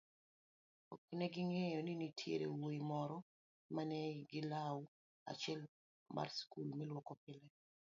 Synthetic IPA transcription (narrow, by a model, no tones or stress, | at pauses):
o̰kinɛɡɪŋejɔninitʰjḛɾḛwoimɔɾɔ | manɛɡɪlaw | a̰t͡ʃɛl | mʔa̰rskulmɛlwɔkɔpɪlɛ